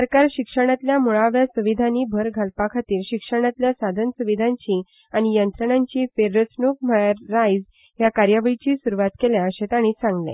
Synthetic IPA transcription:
səɾkaɾɕikʂəɽ̃at̪ljamuɭaʋjasuʋid̪ʱanibʱəɾɡʱalpakʰat̪iːɾɕikʂəɽ̃at̪ljasad̪ʱənsuʋid̪ʱãɲt͡ɕi | añijənt̪ɾəɳaɲt͡ɕiːfeɾːət͡snuk̚məːajd͡z | jakaɾjaʋəɭit͡ɕiːsuɾuʋat̪keljaəɕet̪aɽ̃it͡sãŋɡlḛ̃

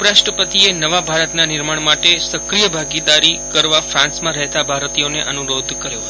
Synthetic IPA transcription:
upɾaʃʈɾəpət̪ienəʋabʱaɾət̪nanɪɾmaɳ̃maʈesəkɾijəbʱaɡid̪aɾikəɾʋafɾãnsmãɾəɦt̪abʱaɾt̪ijoneʔənuɾod̪ʱkəɾjot̪

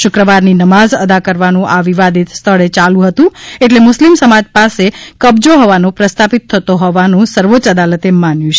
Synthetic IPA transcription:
ʃʊkɾəʋaɾninəmazəd̪akəɾʋanũʔaʋiʋad̪ʱit̪st̪ʰəɭet͡ʃalũɦət̪ũeʈ̬lemʊslimsəmad͡ʒpasekəbd͡ʒoɦɔʋanõpɾəst̪ʰapit̪ʰːət̪oɦɔʋanũsəɾʋot͡ʃəd̪alət̪emanjũt͡ʃʰe

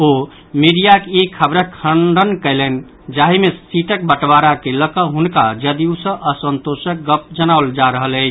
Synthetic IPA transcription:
o | miɽijakeikʰəbɾəkʰəɳɖənkəɪlən | d͡ʒaɦimesiʈək̚bəʈbaɾakeləkəɦunkad͡ʒəd̪iusə̃ʔəsənt̪osək̚ɡəp̚d͡ʒənaʊld͡ʒaɾəɦələɪt͡ʃʰ

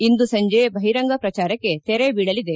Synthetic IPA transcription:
ind̪usɐɲd͡ʒebʱɐɦiɾɐŋɡɐpɾɐt͡ʃaːɾɐkːe̞t̪eɾebiːɽɐlid̪e̞

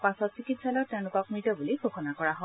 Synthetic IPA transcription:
pasɔtsikitsalɔteʊnukak̚mɹitɔbuliɡʱokʰɔnakɔɹaɦɔ

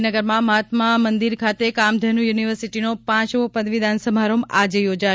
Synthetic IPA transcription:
nəɡəɾmãməɦat̪mamənd̪iɾkʰat̪ekamd̪ʱənũjuniʋəɾsiʈinopãt͡ʃopəd̪ʋid̪ʱansəbʱaɾomad͡ʒejod͡ʒa

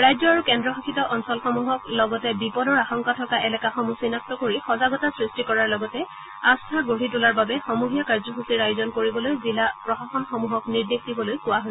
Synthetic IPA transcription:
ɹajzɔaɹukɛndɹɔxakʰitɔʔɔnsɔlxɔmuɦɔklɔɡɔtɛbipɔdɔɹaxɔŋkatʰɔkaʔɛlɛkaxɔmusinap̚tɔkoɹixɔzaɡɔtasɹistikɔɹaɹlɔɡɔtɛ | astʰaɡoɹitulaɹbabɛxɔmuɦijakaɹzɔsusiɹajozɔnkoɹibɔlojzilapɹɔxaxɔnxɔmuɦɔkniɹdik̚dibɔlojkʊwaɦo

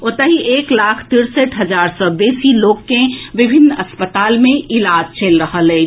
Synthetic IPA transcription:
oːt̪əɦiʔeːklaːkʰt̪ɪɾsəʈɦɐd͡ʒaːɾsɔːbeːsiloːkkẽʋɪbʱɪnɐspət̪aːlmẽɪlaːd͡ʒt͡ʃeːlɾəɦəleː

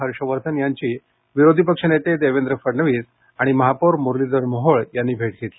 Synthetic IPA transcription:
əɾʂəʋəɾt̪ʰənjaɲt͡ɕiː | ʋiɾod̪ʱipəkʂənet̪ed̪eʋend̪ɾəfəɾɳəʋiːs | aɽ̃iməɦapuɾmuɾlid̪əɾmoɦoɭjanːiːbʱeʈ̚ɡʱet̪li

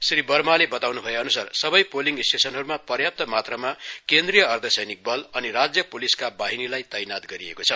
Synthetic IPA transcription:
sɾibʌrmalebʌt̪awnubʱʌjeʌnusarsʌbʌjpoliŋɡisʈesʌnɦʌɾumapʌrjap̚t̪ʌmat̪rʌmakend̪rijʌːrd̪ʱʌsʌjnik̚bʌlʌnirad͡zjʌpuliskabaɦinilajt̪ʌjnat̪ɡʌɾiḛkot͡sʰʌ

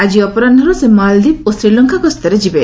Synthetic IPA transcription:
ad͡ʒiɔpɔɾand̪ʱɔɾusemald̪ip̚osɾilɔŋkʰakɔst̪əɾed͡ʒibe

